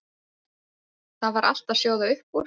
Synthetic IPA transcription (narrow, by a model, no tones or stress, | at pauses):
θaðvaɾʔa̰l̥t̪aðsjoːwðaʏhpuɾ